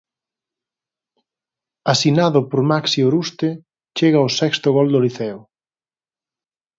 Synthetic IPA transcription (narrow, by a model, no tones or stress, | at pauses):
asinaðʊpoɾmaksioɾust̪e | t͡ʃeɣɐosɛkst̪ʊɣɔld̪oliθɛʊ